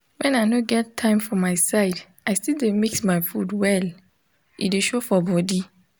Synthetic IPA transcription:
wɛ̃naɪnoɡɛtʰːãɪ̃mfɔmaɪsaɪd | aɪstildemiksmaɪfudwɛl | ʔḭdeʃofɔbɔdi

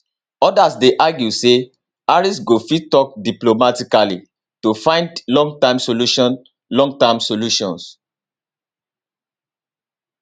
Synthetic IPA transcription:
ɔdasdeʔaɡjuse | aɹisɡofitɔk̚diplomatikalḭ | tufãɪ̃ndlɔ̃ŋɡ̚tãɪ̃msoluʃɔ̃n | lɔ̃ŋɡtamsoluʃɔ̃ns

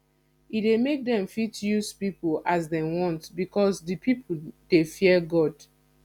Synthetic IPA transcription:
idemek̚dɛ̃mfitjuspipolʔasdɛwɔ̃ntbikʰɔsdipʰipʰod̥efiɛɡɔd

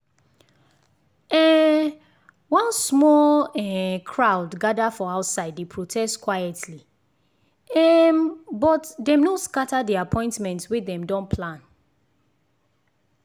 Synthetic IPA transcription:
ɛ | wãnsmɔlɛkʰɹaʊdɡadafɔaʊtsaɪdepʰɹotʰɛstkwajɛtʰli | ɛmbɔtdɛ̃mnoskatadiapʰɔ̃ɪ̃ntmɛ̃ntswedɛ̃mdɔ̃npʰlãn

